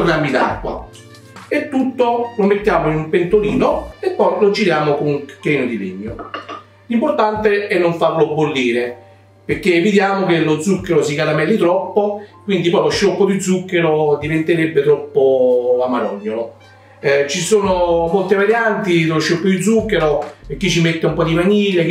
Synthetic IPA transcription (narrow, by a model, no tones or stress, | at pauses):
ornamid̪a̰kːwa̰ | et̪ːut̪ːolomet̪ːjaːmoinumpent̪oliːnoepːɔjlod͡ʒiɾjaːmokoŋkːɾeːnod̪ilḛɲːo | limpoɾt̪ant̪eɛnːoɱfaɾlobːolːiːɾe | peɾk̟ːeːvid̪jaːmokelod̪zːukːeɾosikalamɛlːit̪ɾɔpːokwind̪ipɔjloʃːokːod̪id̪zːukːeɾod̪ivent̪eɾebːet̪ɾɔpːoamaɾɔ̰ɲːolo | t͡ʃisoːnomolt̪evaɾjant̪iloʃːopːod̪id̪zukːeɾopek̟ːit͡ʃːimet̪ːeumpɔd̪imaɲiːle